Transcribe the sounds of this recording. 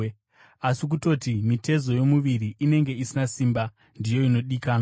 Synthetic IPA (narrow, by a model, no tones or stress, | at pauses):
asik̬uto̞timite̞zo̞jo̞muʋiɾiʔːne̞ŋɡe̞isinasiːmba | ndijo̞ino̞ɗikaːna